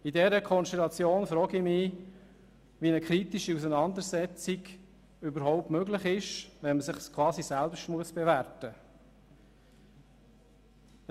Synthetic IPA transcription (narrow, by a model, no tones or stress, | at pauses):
idɛɾəkʰɔnsʃtɛlɑt͡sjoːnfɾɔːɡimɪ | ʋinəkʰɾitiʃiusənɑnd̪əɾsɛt͡siɡ | ybəɾɦɔʊp̚tmœɡlɪχɪʃʋɛnməsɪχskʰwɑːzisælpʃtmuəsb̥evæɾtə